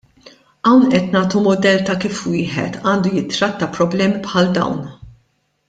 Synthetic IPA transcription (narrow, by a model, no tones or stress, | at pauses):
ʔɐwnʔɛt̪nɐːt̪umʊd̪ɛlt̪ɐkiːfwɪːħɛ̰t̪ɐːnd̪ujɪt̪ːɾɐt̪ːɐpɾɔblɛːmipħɐld̪ɐ̰wn